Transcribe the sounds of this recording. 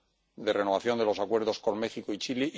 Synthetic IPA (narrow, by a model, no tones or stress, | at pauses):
d̪ere̞no̞β̞aθjo̞nd̪e̞lo̞sakwe̞ɾðo̞sko̞nme̞xikoit͡ʃiliʔ